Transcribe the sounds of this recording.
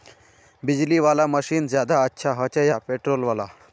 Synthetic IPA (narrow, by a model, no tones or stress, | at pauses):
bid͡ʑliʋalaməɕiːnd͡ʑjad̪aətːɕʰaɦət͡ɕejapeʈɾolʋala